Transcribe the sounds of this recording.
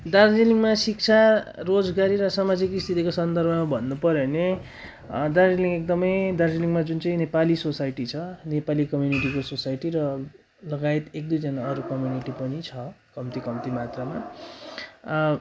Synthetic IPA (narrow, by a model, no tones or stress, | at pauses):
d̪ard͡ziliŋɡmasik̚t͡sʰarod͡zɡaɾiɾʌsamad͡zikist̪ʰit̪ikosʌnd̪ʌrbʱʌmabʱʌnːupʌɾone | d̪ard͡ziliŋɡek̚d̪ʌmʌjd̪ard͡ziliŋɡmad͡zunt͡sʌĩnepalisosajʈit͡sʰʌnepalikʌmjuniʈikososajʈiɾʌ | lʌɡait̪ek̚d̪ujd͡zʌnaʌɾukʌmjuniʈipʌnit͡sʰʌkʌmt̪ikʌmt̪imat̪rama